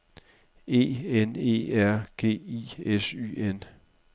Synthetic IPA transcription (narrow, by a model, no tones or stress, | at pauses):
e̝̰ːene̝̰ːæɐ̰ɡ̥e̝̰ːiːesy̰ːen